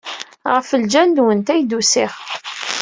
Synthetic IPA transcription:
ʁəfəld͡ʒænd̪wənt̪æjd̪usɪχ

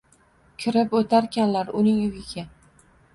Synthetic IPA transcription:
kʲʰɪɾɪpot̪ʰaɾkʲʰanlaɾʊnɪŋʊɡʲɪɡʲa

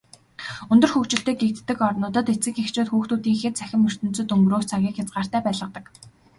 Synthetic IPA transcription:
ɵnt̪ɵ̆rxɵkt͡ɕɪ̆ɬt̪eːɡek̚t̪ːɘ̆kɔrnʊːt̪ə̆t̪et͡sɡɘ̆kxext͡ɕʊːt̪xuːxt̪uːt̪iːŋxĕt̪t͡sæxʲɪ̆mɵr̥t̪ɵ̆n̥t͡sɵ̆t̪ɵŋɡɾoːst͡sʰaɣʲiːkxat͡sɢaːr̥t̪æːpæːɮʁə̆q̚t̪ə̆k

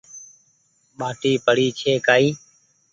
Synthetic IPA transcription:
ɓaːʈiːpəɽiːt͡ʃʰeːkaːiː

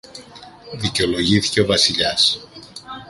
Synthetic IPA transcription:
ðiceo̞lo̞ʝiθi̥ce̞o̞vɐsiʎɐs

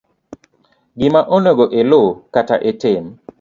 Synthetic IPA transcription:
ɡɪmaʔonoɡoʔelokataʔetem

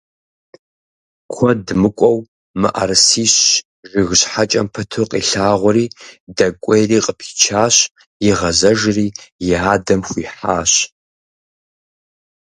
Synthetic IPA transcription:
kʷʰɔdmɨkʷʼɔw | mɨʔa̰rsiːɕ | ʒɪɣɕħat͡ʃʼɐmpʰɐtʰɨqʼḭːɬaːʁʷɔɾiːdɐkʷʼɔjriːqʼəpʰi̥t͡ʃʰaːɕ | jɪʁɐzɐʒriːjɪaːdɐmxʷiːħaːɕ

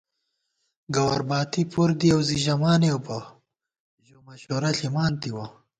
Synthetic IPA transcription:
ɡɐwɐ̰ɾbɑːt̪ipuɾd̪iɐwziʑɐmaːneowpɐ | ʒomɐɕoːɾɐɬimɑːnt̪iwa

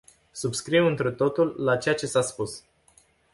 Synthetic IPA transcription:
subskɾiwɨnt̪ɾut̪o̞t̪ulːat͡ʃe̞jat͡ʃe̞saspus

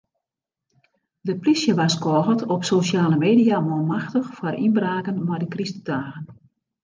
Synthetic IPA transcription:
dəplisjəʋaskɔːɣətɔpsoʃjaːləmeːdijamɔmaxtəxfwɔrʔinbraːkənmɔjdəkristədaːɣən

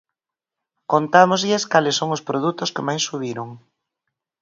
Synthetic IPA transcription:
kont̪amozʎɪskalɪsːoŋʊspɾoð̞ut̪ʊskemajsːuβiɾoŋ

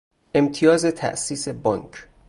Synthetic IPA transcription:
ʔe̞mt̪ʰijɒːze̞t̪ʰæ̰ʔsiːse̞bɒŋkʰ

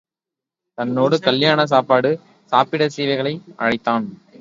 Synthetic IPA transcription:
t̪ɐnːoːɽɯkɐljaːnɐs̬aːpaːɽɯ | saːpɪɽɐsiːʋɐɪɣɐɭɐɪʔɐ̰ɻɐɪt̪ːaːn

